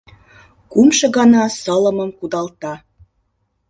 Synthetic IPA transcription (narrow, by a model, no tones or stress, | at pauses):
kumʃɤ̆ɣɑnɑsələ̆mə̆mkud̪ɑlt̪ɑ